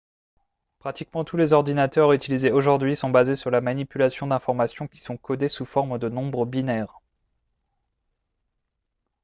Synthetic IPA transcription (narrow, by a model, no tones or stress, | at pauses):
pχat̪ikmɑ̃t̪ulezɔʁd̪inat̪œʁyt̪ilizeoʒuʁd̪ɥisɔ̃bazesyʁlamanipylasjɔ̃d̪ɛ̃fɔʁmasjɔ̃kʲi̥sɔ̃kɔd̪esufɔʁmd̪ənɔ̃bʁəbinɛːʁ